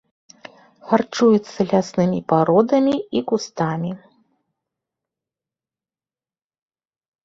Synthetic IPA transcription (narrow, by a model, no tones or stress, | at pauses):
xart͡ʂujut̪sːɐlʲasnɨmʲipaɾɔd̪ɐmʲiikust̪amʲi